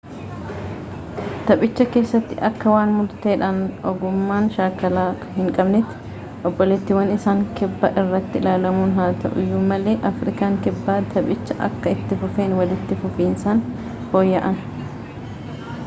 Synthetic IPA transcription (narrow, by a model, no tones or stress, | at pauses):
t̪ɐpʼɪt͡ʃːɐke̞ːsːɐt̪ːɪʔɐkːɐwaːnmʊɾt̪e̞ːᶑɐnʔɔɡʊmːaːnʃaːkɐlaː | hɪŋkʼɐbnɪt̪ɪ̥ | ʔɔbːɔlɛt̪ːɪwɐnɪsaːŋkɪbːɐʔɪrːɐt̪ːɪɪlaːlɐmuːnɦaːt̪ɐ̰ʔʊ̰jumɐleːʔɐfɾɪkaːŋkɪbːaːt̪ʰɐpʼɪt͡ʃːɐʔɐ̰kːɐɪt̪ːɪfʊfe̞ːnwɐlɪt̪ːɪfʊfiːnsaːn | ho̞ːjːɐʔɐn